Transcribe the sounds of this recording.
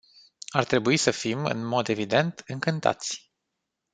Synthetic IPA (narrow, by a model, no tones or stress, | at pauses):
art̪ɾe̞buisəfimɨ̰nmo̞d̪e̞vid̪e̞nt̪ɨŋkɨnt̪a̰t̪sʲ